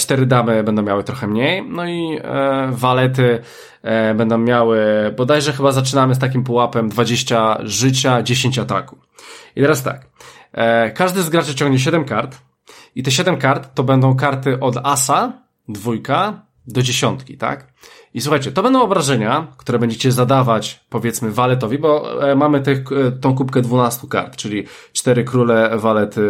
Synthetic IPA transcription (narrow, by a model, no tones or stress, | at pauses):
t͡ʂt̪ɛɾɘd̪amɘbɛnd̪ɔ̃w̃mʲjawɘt̪ɾɔxɛmɲejnɔi | valɛt̪ɘ | bɛnd̪ɔ̃w̃mʲjawɘbɔd̪ajʐɛxɘbazat͡ʂɘnamɘst̪akʲimpuwapɛmd̪vad͡ʑeɕt͡ɕaʐɘt͡ɕad͡ʑeɕẽɲt͡ɕat̪a̰ku | it̪ɛɾast̪a̰k | kːaʐd̪ɘzɡɾat͡ʂɘt͡ɕɔ̃ŋɡɲɛɕ̬ɛd̪ɛmkaɾt̪ | it̪ɛɕɛd̪ɛmkaɾt̪ːɔbɛnd̪ɔ̃w̃kaɾt̪ɘʔɔd̪asa | d̪vujka | d̪ɔd͡ʑeɕɔnt̪kʲḭt̪a̰k | iswuxajt͡ɕɛt̪ɔbɛnd̪̃w̃ɔbɾaʐɛɲakt̪uɾɛbɛɲd͡ʑet͡ɕɛzad̪avat͡ɕpɔvʲjɛt̪smɘvalɛt̪̬ɔvʲibɔmamɘt̪ɘxt̪ɔ̃w̃kupkɛd̪vunast̪uka̰ɾt̪t͡ʂɘlʲi | t͡ʂt̪ɛɾɘkɾulɛvalɛt̪ɘ